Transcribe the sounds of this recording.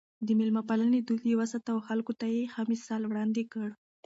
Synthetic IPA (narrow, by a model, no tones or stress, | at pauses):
d̪əmɪlmapalaned̪ud̪ewasat̪awxalkot̪ajexamɪsɑlwɽɑnd̪ekəɽ